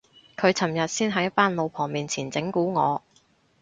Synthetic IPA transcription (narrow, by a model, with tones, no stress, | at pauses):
kʰɵ˨˧ɥt͡sʰɐ˨˩mjɐ˨t̚siː˥nɦɐ˧˥jt̚paː˥nlo˨˧wpʰɔː˨˩ŋmiː˨nt͡sʰiː˨˩nt͡sɪ˨˥ŋkuː˨˥ŋɔː˨˧